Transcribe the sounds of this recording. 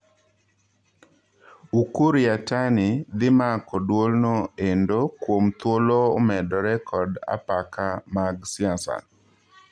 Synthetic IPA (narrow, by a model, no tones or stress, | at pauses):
ukuɾjatanɪd̪ɪmakɔdwolnoendokwomt̪woloːmɛdɔɾɛkʰɔda̰pakʰamaɡsɪasa̰